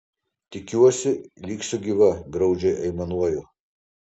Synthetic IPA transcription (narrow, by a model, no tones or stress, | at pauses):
t̪ʲɪkʲuːɔsʲɪlʲiːksʲʊɡʲiʋɐɡɾɐʊd͡ʒʲɛɪʔɐɪmɐnuɔjʊ